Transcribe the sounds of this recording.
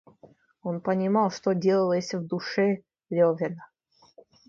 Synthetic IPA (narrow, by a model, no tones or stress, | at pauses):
onpənʲɪmɑlˠʂt̪odʲe̞lˠəlˠəsʲvd̪ʊʂɛ | lʲovʲɪnə